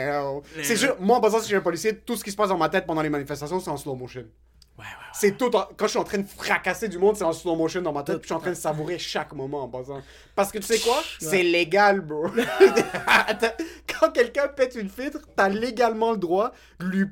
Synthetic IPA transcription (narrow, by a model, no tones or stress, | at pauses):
sɛʒyʁmwaɑ̃bɑ̃zɑ̃siʒɛɛ̃pɔlisjet̪usə̥kʲisə̥pasd̪ɑ̃mat̪ɛt̪̚pɑ̃d̪ɑ̃lemanifɛst̪asjɔ̃sɛɑ̃slomoʃən | sɛt̪ut̪ɑ̃kɑ̃əʃɥiɑ̃t̪χɛ̃d̪əfχakased̪ymɔ̃d̪sɛɑ̃slomoʃənd̪ɑ̃mat̪ɛt̪piʃyɑ̃t̪χɛ̃d̪əsavuʁeʃakmɔmɑ̃ːɑ̃bɔzɑ̃ | paʁsə̥kət̪y̥sɛkwasɛleɡalbød̪t̪kɑ̃kʲɛlkʲɛ̃pɛt̪ynfilt̪χt̪yaleɡalmɑ̃ləd̪ʁwa | d̪əlwi